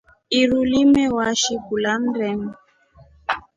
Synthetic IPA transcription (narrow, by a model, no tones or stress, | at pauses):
iɾulimɛwaʃikulan̩ɾɛm